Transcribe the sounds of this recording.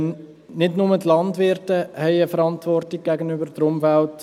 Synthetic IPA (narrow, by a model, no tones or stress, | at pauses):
nɪdnʊmətlɑndvʋɪrtəhɛɪəfəɾɑntvɔrtiɡ̚ɡ̥æɡənybəɾd̥əɾʊmfælt